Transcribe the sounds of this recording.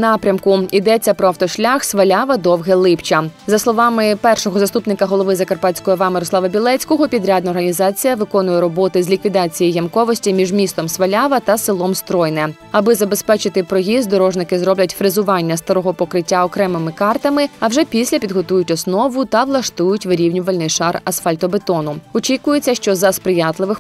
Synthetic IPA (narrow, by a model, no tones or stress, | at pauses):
nɑpɾʲɐmkʊid̪ɛt͡sʲːɐpɾɔft̪ɔʃlʲaxsʋɐlʲaʋɐd̪ɔwɦɛlˠɪpt͡ʃɐzɐslˠɔʋɑmɪpɛrʃɔɦɔzɐst̪upnɪkɐɦɔlˠɔʋɪzɐkɐrpɑt͡sʲkɔjɔʋɑmɛɾɔslˠɑʋɐbʲilˠɛt͡sʲkɔɦɔpʲid̪ɾʲad̪nɐɔɾɦɐnʲizɑt͡sʲijɐʋɪkɔnʊjɛɾɔbɔt̪ɪzʲlʲikʋʲid̪ɑt͡sʲijijɐmkɔʋɔsʲtʲimʲiʒmʲist̪ɔmsʋɐlʲaʋɐt̪ɐsɪlˠɔmst̪ɾɔjnɛ | ɐbɪzɐbespɛt͡ʃɪt̪ɪpɾɔjʲizd̪ɔɾɔʒnɪkɪzɾɔblʲɐtʲfɾɪzʊʋɑnʲːɐst̪ɐɾɔɦɔpɔkɾɪtʲːaɔkɾɛmɪmɪkɑrt̪ɐmɪɐwʒɛpʲisʲlʲɐpʲid̪ɦɔt̪ujʊtʲɔsnɔʋʊt̪ɐʋlˠɐʃt̪ujʊtʲʋɪɾʲiwnʲʊʋɐlʲnɪjʃɑrɐsfalʲt̪ɔbet̪ɔnʊɔt͡ʃʲikʊjet͡sʲːɐʃt͡ʃɔzɐspɾɪjɑt̪lˠɪʋɪx